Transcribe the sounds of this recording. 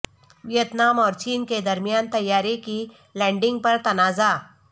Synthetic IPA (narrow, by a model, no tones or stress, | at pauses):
ʋjət̪namɔɾt͡ɕiːnked̪əɾmjant̪əjːaɾekiː | lɛ̃ɖiŋɡ̚pəɾt̪ɐnad͡za